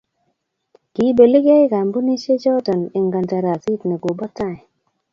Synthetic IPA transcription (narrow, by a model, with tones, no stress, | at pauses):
ki˨˦be˨li˦ɡɛ˦ɪ˦ka˨mbu˦ni˦ʃe˦d͡ʒɔ˦da˨ne˨ŋɡa˨nta˨ɾa˨zi˦tne˨ɡo˨bɔ˦ta˦˨ɛ˨